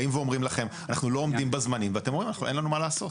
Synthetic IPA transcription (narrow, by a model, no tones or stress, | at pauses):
imveomʁimlaχe̞manaχnulo̞omdimbazmanimveatemoimanaχnuenlanumalaːso̞t